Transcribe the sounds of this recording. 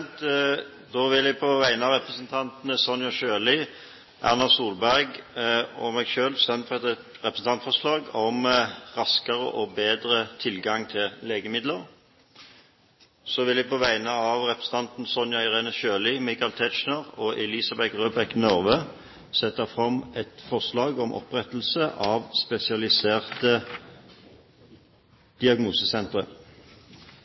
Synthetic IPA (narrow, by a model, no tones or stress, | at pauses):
t̪ | d̪oːʋɪljæɡpʰɔʋæɪənəɑʋʁɛpʁəsənt̪ʰɑnt̪nəsɔnjɑʃøːlɪ | ʔæ̰ʁnɑsuːlbæʁɡ | ɔmɛɡʃøːlsɛnfɛt̪ɛt̪ | ʁɛpɾəsn̩t̪ʰɑnt̪fɔʁslɑːɡɔmʁɑskəʁə̰ʔɔbeːd̪ʁət̪ʰɪlɡɑŋt̪ʰɪlleːɡəmɪd̪ləʁ | soːʋɪlæɪpʰoʋæɪnəɑʋʁɛpʁəsn̩t̪ɑnt̪n̩sɔnjɑɪʁeːnəʃøːlɪmɪkaɑlt̪ʰɛt͡ʃnəʁɔʔɛliːsɑbɛkʁøːbɛknɔʁʋəː | sɛt̪ːɑfʁɑmɛt̪fɔʁslɑːɡɔmʔɔ̰pʁɛt̪l̩səʔɑːʋspɛsɪɑlɪseːʁt̪ə | d̪̥ɪɑɡnuːsəsɛnt̪ʁə̰